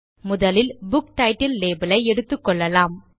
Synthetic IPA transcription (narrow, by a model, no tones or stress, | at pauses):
mʊðɐlɪlbʊkʈɐɪʈɪlːeːbɐlɐɪɛɽɯt̪ːɯkːɔɭːɐlaːm